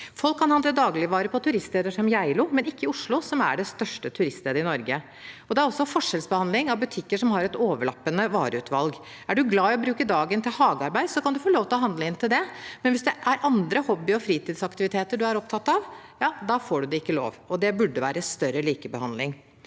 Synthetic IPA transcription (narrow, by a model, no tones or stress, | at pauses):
fɔlkʰːɑnhɑnd̪əd̪ɑːɡlɪʋɑːɾəpʰɔt̪ʰʉɾɪst̪leːd̪əʂɔmjæɪlʊmɛnɪkːəɪʊʂlʊsɔmæ̰ɖɛst̪œʂʈət̪ʰʉɾɪst̪leːd̪əɾɪnɔɾɡə | ɔd̪ɛæɾɔsːɔfɔʂɛlsbəhɑnd̪lɪŋɑʋbʉt̪ʰɪkːəʂɔmhɑɾɛt̪oːʋəɭɑ̰pːənəʋɑːɾəʉːt̪ʰʋɑ̰lɡ | æɖʉɡlɑːɪɔbɾʉːkəd̪ɑːɡənt̪ʰɪlhɑːɡɑɾbæɪd̪sɔkʰɑnd̪ʉfoːloːʋt̪ɪlɔɦɑnd̪ləɪnːt̪ʰɪld̪ɛmɛnʋɪsd̪ɛʔæɾʔɑnd̪ɾəhɔbːɪɔfɾiːt̪iːd̪sɑkt̪ɪʋɪt̪ʰeːt̪əɖʉæɾɔp̚t̪ʰɑt̪ːɑʋjɑːd̪ɑfoːɖʉd̪ɛɪkːəlo̰ːʋɔd̪ɛbʉɖːəʋæ̰ːɾəst̪œɾːəliːkəbəhɑ̰nd̪lɪ̰ŋ